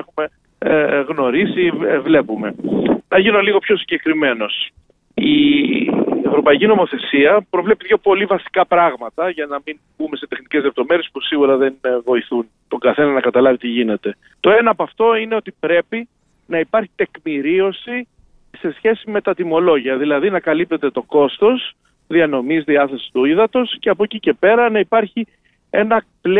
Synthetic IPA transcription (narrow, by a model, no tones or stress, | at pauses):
exume̞ | ɣno̞ɾisivle̞pume̞nɐʝinoliɣo̞pço̞siɲɟe̞kɾime̞no̞s | i | evɾo̞pɐicino̞mo̞θe̞siɐpɾo̞vle̞piðʝo̞po̞livɐsi̥kɐpɾɐɣmɐt̪ɐʝɐnɐminbume̞se̞t̪exnice̞zlep̚t̪o̞me̞ɾijespusiɣuɾɐðe̞nvo̞iθunt̪o̞ŋɡɐθe̞nɐnɐkɐt̪ɐlɐvit̪iʝine̞t̪e̞ | t̪o̞e̞nɐːpoɐft̪o̞ine̞o̞t̪ipɾe̞pi | nɐipɐɾçi̥t̪e̞kmiɾio̞si | se̞sçe̞sime̞t̪ɐt̪imo̞lo̞ʝiɐðilɐðinɐkɐlip̚t̪e̞t̪e̞t̪o̞ko̞st̪o̞s | ðiɐno̞mizðiɐθe̞si̥st̪uiðɐt̪o̞sce̞ɐpocice̞pe̞ɾɐnɐipɐɾçi | e̞nɐpl